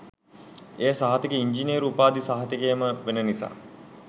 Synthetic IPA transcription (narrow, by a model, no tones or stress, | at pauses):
eːsaɦat̪ikəiɲd͡ʒineːɾupaːd̪isaɦɐt̪ikejməʋenənisa̰ː